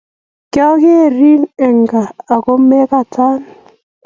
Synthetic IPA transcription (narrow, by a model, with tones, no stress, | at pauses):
kja˦ke˦˨ɾi˦nɛ˨ŋɡaː˨kɔ˦mɛ˦ka˦˨tʰa˦n